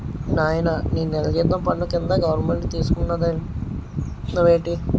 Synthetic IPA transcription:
naːjɐnɐniːnːɛlɐd͡ʒed̪ɐmpɐɳːukind̪ɐɡɐʋɐɾnmeɳʈt̪iːsu̥kuɳːɐd̪ɐn | nɐʋeːʈi

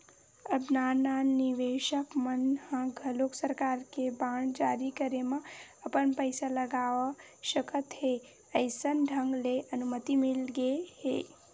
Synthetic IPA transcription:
əbnananɪʋeːʃəkmənhə̃ɡʱəloksəɾkaːɾkebaːɳ̃d͡ʒaɾikəɾemə̃əpənpəɪsaləɡaʋ | ʃəkət̪ɦe | əɪsənɖʱə̃ŋɡleʔənumət̪imɪlɡeheː

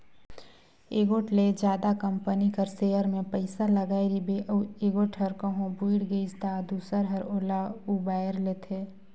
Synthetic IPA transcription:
eɡoːʈled͡ʒjaːd̪akɐ̃mpənikəɾseːjəɾmẽpəɪsaləɡaːeɾibeeɡoːʈɦəɾkə̃ɦõbuiɽɡeɪsd̪aːd̪uːsəɾɦɐɾoːlauːbaːjəɾleːt̪ʰeː

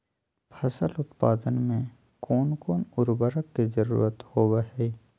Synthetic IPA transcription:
pʰɐsəlʊt̪paːd̪ənmẽ | kɔːnkɔːnʊɾbəɾəkkizəɾṵːɾət̪hoːbəɦɛ

